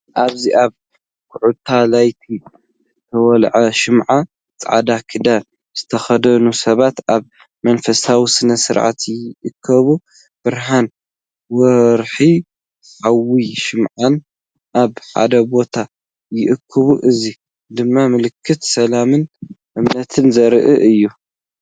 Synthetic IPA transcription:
ʔaβziʔaβ | kʰʊʕut̪ʰːalajt̪ʰi | t̪ʰɐwɔlʕaʃɨmʕa | t͡sʼʕa̰d̪akʰɨd̪al | z̥ɨt̪ʰɐxɐd̪ɐnusɐβat̪ʔaβ | mɐnfɐsʰawisɨnɐsɨɾʕa̰t̪jɪʔɨkʰːɐβu | b̥ɨɾɦan | wɔɾħi | ħawiʃɨmʕan | ʔaβħa̰d̪ɐbo̞t̪ʰa | jɪʔɨkʰːɨβuʔɨzi | d̪ɨmːamɨlɨkʰːɨt̪sɐlamɨnʔɨmnɐt̪ʰɨnzɐɾʔɨʔɨjːu

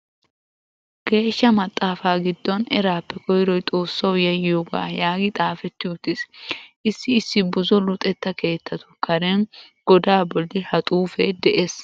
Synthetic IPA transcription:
ɡ̥e̞ːʃːɐmɐt̪ʼːaːfaːɡɪd̪ːɔnɛɾaːpːɛkʰɔjɾɔjt̪ʼo̞ːsːɐwjɐjɪjoɡa̰ːjaːɡɪt̪ʼaːfɛt̪ːɪʊt̪ːɪsʔɪsːɪːsːɪbʊzɔlʊt̪ʼɛt̪ːɐke̞ːt̪ʰːɐt̪ʊ̥kɐɾɛnɡ̥ɔd̪aːbɔld̪ɪhɐt̪ʼuːfɛd̪ɛʔeːs

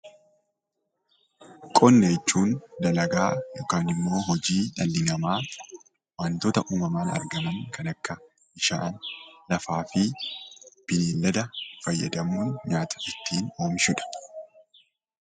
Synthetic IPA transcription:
kʼɔnːeːt͡ʃːuːnd̪ɐlɐɡaːjokaːnɪmːo̞ːɦɔd͡ʒiːᶑɐlːɪnɐmaː | wɐnt̪oːt̪ɐʔuːmɐmaːnɐ̰ɾɡɐmɐŋkɐnɐkːɐ | ɪʃa̰ːnlɐfaːfɪ | b̥ɪneːlːɐd̪ɐfɐjːɐ̰d̪ɐmuːɲaːt̪ʰɐ̥ʔɪt̪ʰːiːno̞ːmʃʊᶑɐ̥

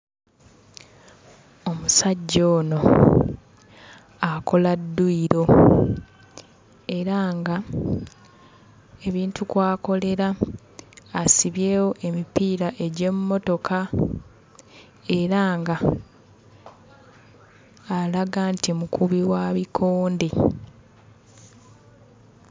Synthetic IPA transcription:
o̞musaɟːo̞ːno̞ | akʰo̞ladːuiɾo̞ | e̞ɾaːŋɡa | e̞βiːntukwaːko̞le̞ɾaː | siβje̞ːwo̞ʔe̞mipiːɾaʔe̞ɟe̞mmːo̞to̞kʰa | e̞ɾaŋɡa | laɡaːntimukuβiwaːβikʰoːnde

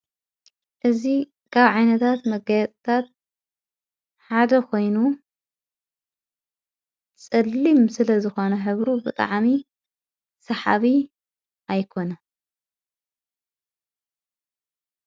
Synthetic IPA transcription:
ʔɨzi | kʰaβʕajnɐt̪ʰat̪mɐɡajɛt̪ʼt̪ʰat̪ | ħad̪ɐkʰo̞jnu | t͡sʼɨlːimsɨlɐzɨxo̞nɐħɨβɾubɨt̪ʼa̰ʕmi | sɐħa̰βi | ʔajkʰo̞nɐ

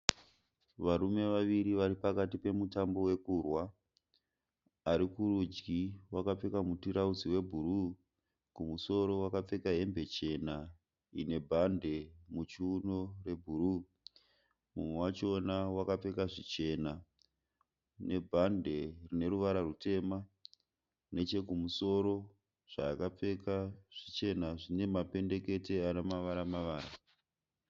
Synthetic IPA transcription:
ʋaɾume̞ʋaʋiɾiʋaɾipakatipe̞mutambo̞we̞kurwa | ɾikuɾud͡ʒɡiwakap͡fe̞kamutuɾaud͡ziwe̞bʱuɾu | kumuso̞ɾo̞wakap͡fe̞kaɦe̞mbe̞t͡ʃe̞na | ine̞bʱande̞mut͡ʃuːnore̞bʱuru | mumwe̞wat͡ʃonawakap͡fe̞kaʐit͡ʃe̞na | ne̞bʱande̞rine̞ɾuʋaɾarute̞ːma | ne̞t͡ʃe̞kumuso̞ɾo̞ | ʐ̥aːkap͡fe̞kaʐ̥it͡ʃe̞naʐine̞mape̞nde̞ke̞te̞anomaʋaɾamaʋaːra

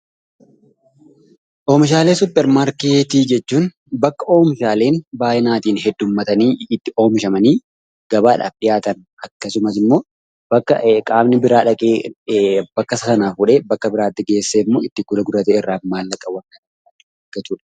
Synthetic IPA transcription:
ʔo̞ːmɪʃ̬aːleːsʊpːɛɾmaːɾkeːt̪iːd͡ʒɛt͡ʃːuːn | bɐkːɐʔo̞ːmɪʃaːle̞ːnbaːʔɛnaːt̪iːnhɛd̪ːʊmːɐt̪ɐniːt̪ːɪo̞ːmɪʃɐmɐniː | ɡ̥ɐbaːᶑa̰ːfᶑɪjaːt̪ɐn | ɐkːɐsʊmɐs̬ɪmːo̞ː | bɐkːɐkʼaːbnɪbɪɾaːᶑɐkʼe | bɐkːɐsɐsɐnaːfʊᶑeːbɐkːɐbɪɾaːt̪ːɪɡeːsːeɪmːoːɪt̪ːɪɡʊlɐɡʊɾɐt̪eːɪrːaːfmaːlːɐkʼːɐwɐnkɐnɐɐɪɐɡɐt͡ʃuːᶑɐ̥

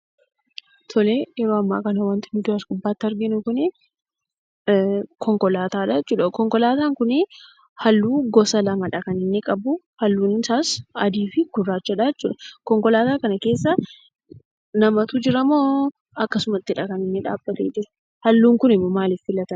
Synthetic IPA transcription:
t̪ʰɔlejɛɾoːɐmːa̰ːkɐnɐwɐnt̪ɪnʊd̪ʊɐsɡʊbːaːt̪ːɐɾɡɪnʊkʊnɪ | kʰɔŋkɔlaːt̪aːᶑat͡ʃːuːᶑɐkɔŋkɔlaːt̪aːŋkʊnɪ | hɐlːuːɡɔsɐlɐmɐᶑɐkɐnɪnːɪkʼɐbʊ | hɐlːuːnɪsaːsɐd̪iːfɪɡ̥ʊrːaːt͡ʃːɐᶑaɛt͡ʃːuːᶑɐkɔŋkɔlaːt̪aːkɐnɐke̞ːs̬ːɐ | nɐmɐt̪ud͡ʒɪɾɐmoː | ɐkːɐsʊmɐt̪ːɪᶑɐkɐnɪnːɪᶑa̰ːbːɐt̪eːd͡ʒɪɾɐ̥ | hɐlːuːŋkʊnɪmːɔmaːlɪfːɪlɐt̪ɐn

